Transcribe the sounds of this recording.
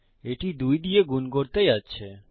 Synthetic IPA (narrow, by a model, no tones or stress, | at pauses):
eʈid̪ujd̪ieɡunkoɾt̪ejatːɕʰe